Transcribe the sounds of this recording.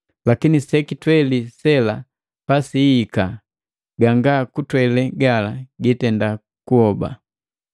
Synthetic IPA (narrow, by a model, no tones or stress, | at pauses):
lakinisɛkitwɛlisɛla | pasiːka | ɡaŋɡakutwɛlɛɡalaɡitɛnda | kuhɔba̰